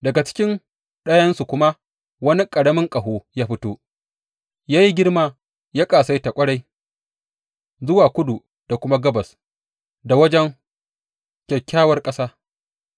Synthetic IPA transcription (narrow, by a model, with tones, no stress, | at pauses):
dɐ˨ɡa˨t͡ʃɪ̥˦kʲɪ˦n | ɗɐ˦jɐ˦nsu˨kʷʊ˦ma˦ | wɐ˦ni˦kʼɐ˨ɽɐ˦mɪ˦ŋkʼɐ˨ɦoː˦jaː˦ɸɪ˦toː˦ | jaː˦ji˦ɡʲɪ˦rmaː˦˨ | jaː˦kʼaː˨sa˦jta˨kʷʼɐ˦ɽa˦j | zʊ˦waː˨kʷʊ˦du˨ | d̥a˨kʷʊ˦ma˦ɡɐ˦bɐ˨s | da˨wɐ˦d͡ʒɛ˦ŋ | kʲɛ˨kʲːaː˦wɐ˦rkʼɐ˦saː˦